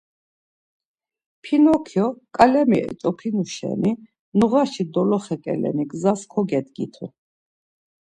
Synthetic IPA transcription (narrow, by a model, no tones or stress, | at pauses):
pʰinɔkʰjɔkʼalɛmiɛ̰t͡ʃʼɔpʰinuʃɛ̰ni | nuʁaʃid̪ɔlɔχɛkʼɛ̰lɛ̰niɡzaskʰɔɡɛd̪ɡḭt̪ʰṵ